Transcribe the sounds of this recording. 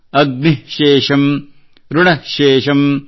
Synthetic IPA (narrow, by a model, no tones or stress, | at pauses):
ɐɡ̚miʃeːʃɐm | ɾuɳɐʃeːʃɐm